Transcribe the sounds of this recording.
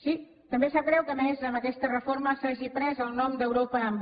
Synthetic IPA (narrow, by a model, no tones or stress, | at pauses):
si | t̪əmbesakɾɛwkəmezləmət̪ɛʃt̪ərəfoɾməsaʒipɾɛzəlˠnɔmd̪əwɾopəːmb